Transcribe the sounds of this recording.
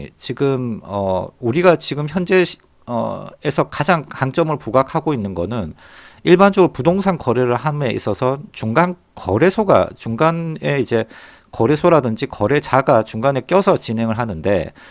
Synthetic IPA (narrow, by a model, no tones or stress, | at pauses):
t͡ɕiɡɯmʌ̰uɾiɡat͡ɕiɡɯmçjʌnd͡ʑe̞ | ʌ̰esʰʌkad͡ʑaŋkaŋt͡ɕ͈ʌmɯɭpuɡakʰaɡoinːɯnɡʌ̰nɯn | iɭband͡ʑʌɡɯɾopudoŋsʰaŋkʌɾeɾɯɭɦame̞ḭs͈ʌsʰʌt͡ɕuŋɡan | kʌɾe̞sʰoɡa̰t͡ɕuŋɡane̞id͡ʑe̞ | kʌɾe̞sʰoɾadɯnd͡ʑikʌɾe̞t͡ɕaɡat͡ɕuŋɡane̞k͈jʌsʰʌt͡ɕinɦe̞ŋɯɭɦanɯnde̞̰